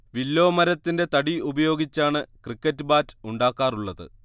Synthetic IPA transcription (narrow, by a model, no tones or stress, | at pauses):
ʋilːo̞ːmɐɾɐt̪ːinde̞t̪ɐɽiubɐjo̞ːɡit͡ɕːaːɳɨkrikːɐtːɨbaːtuɳɖaːkːaːruɭːɐðɨ̰